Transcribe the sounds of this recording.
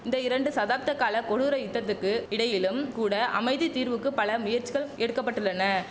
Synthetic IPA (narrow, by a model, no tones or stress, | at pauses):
ɪnd̪ɐɪɾɐɳɖɯsɐðaːp̚t̪ɐkːaːlɐkɔɽɯɾɐɪt̪ːɐt̪ːɯkːɯɪɽɐjɪlɯmkuːɽɐʔɐ̰mɐɪðit̪iːɾʋɯkːɯpɐlɐmʊjɐɾt͡ʃːiɣɐɭɛɽɯkːɐpːɐʈːɯlːɐnːɐ